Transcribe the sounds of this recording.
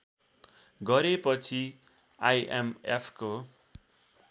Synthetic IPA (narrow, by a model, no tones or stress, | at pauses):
ɡʌɾepʌt͡sʰi | ajʔḛmḛpʰko